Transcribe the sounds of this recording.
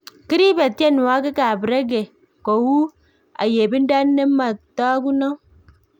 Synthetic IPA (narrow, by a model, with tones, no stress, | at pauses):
ki˦ɾi˦be˨ti˦e˦n˨wa˦ɡi˦ka˨bi˨ɾe˦ɡe˨ | ko˨wu˦ | a̰˨je˨bi˦n˦da˦nːe˦mːa˨ta˦ɡu˦no˦